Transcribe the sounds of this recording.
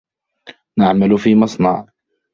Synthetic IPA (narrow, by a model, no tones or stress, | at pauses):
naʕmalfiːmɑsˤnɑʕ